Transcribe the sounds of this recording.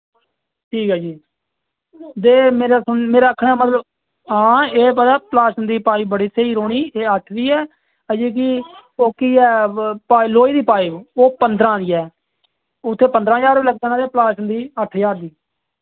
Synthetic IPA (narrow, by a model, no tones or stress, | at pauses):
ʈʰiːkɦaːd͡ʒiː | d̪eːmeːɾaːsənmeːɾaːəkʰɽ̃aːmət̪ləb | ɦãːeːpət̪aːplaːʃənd̪iːpaːiːbəɽiːsʰeiːɾoːɽiːeːəʈʰd̪iːɛː | əd͡ʒiːk̬ɪoːkiːɛːpaːiloːiːd̪iːpaːiːoːpənd̪ɾãːd̪iːɛː | ʊt̪ʰːeːpənd̪ɾãːd͡ʒaːɾʋiːləɡ̚d̪ãːnãːd̪eːplaːʃənd̪iːəʈʰd͡ʒaːɾd̪iː